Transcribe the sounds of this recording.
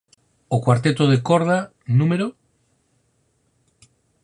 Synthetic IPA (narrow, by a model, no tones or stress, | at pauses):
okwaɾt̪et̪oð̞ekoɾð̞a | nũmeɾo